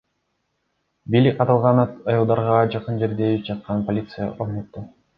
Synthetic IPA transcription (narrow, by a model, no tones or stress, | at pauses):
bijlʲik̚ʲqʰɑt̪ɑlˠʁɑnɑt̪ɯjɯlˠd̪ɑɾʁɑd͡ʒɑqɯnd͡ʒe̞ɾd̪eːlip̚d͡ʒɑt̪̚qʰɑnpolʲit̪sɨjə̰ʔoχnøt̪ːe